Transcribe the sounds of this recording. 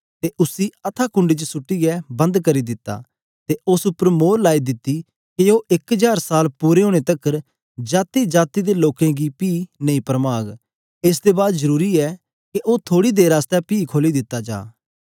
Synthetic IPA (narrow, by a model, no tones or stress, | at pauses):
t̪eʔʊsiɐt̪ʰaːkʊ̃ɳɖit͡ʃsʊʈːiɡɛbɐ̃nd̪kɐɾid̪ɪt̪ːa̰ː | t̪eʔʊsʊpəɾmoːɾlaːid̪ɪt̪ːiː | keoːʔɪkəd͡ʒaːɾsaːlpuːɾeɦõːɽ̃et̪ɐkːəɾ | d͡ʒaːt̪id͡ʒaːt̪id̪eloːkẽɡipiːnɐĩːpɾəmaːɡ | ɪs̬d̪ebaːd̪zəɾuːɾiɛː | keʔoːt̪ʰoːɽiːd̪eːɾaːst̪ɛpiːkʰoːlid̪ɪt̪ːad͡ʒa̰ː